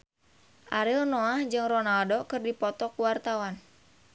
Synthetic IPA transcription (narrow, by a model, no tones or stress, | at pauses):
ʔaɾɪlnɔahd͡ʒɨŋrɔnaldokɨrdipɔt̪ɔkuwart̪awan